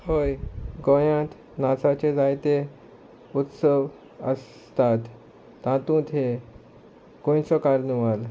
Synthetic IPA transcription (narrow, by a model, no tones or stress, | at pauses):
hojɡojãt̪ | nat͡sat͡ɕed͡zajt̪e | ut̪səʋ | ə̰s | t̪at̪ː | ãt̪ũt̪ɦe | ɡ̥õjt͡sɔkaɾnuʋal